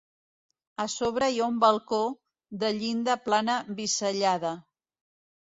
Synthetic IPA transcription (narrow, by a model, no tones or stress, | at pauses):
əsoβ̞ɾəijaumbəlˠko | ðəʎind̪əplanəβisəʎaðə